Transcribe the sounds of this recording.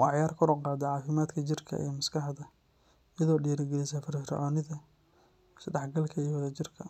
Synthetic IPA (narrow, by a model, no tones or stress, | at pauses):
wɑʕjaːrkʰʊɾɔqɑːd̪ɐʕɑːfɪmaːd̪kʰɐt͡ʃɪrkʰɐ̰ʔḭjɔmɐskʰɑħðɐ | jɐðɔːɖiːɾɪɡɛlɪsɐːfɪrsrɪ̰ʕɔːnɪðɐ | sɖɑħɡɐlkʰɐiːwɐðɐt͡ʃɪrkʰɐ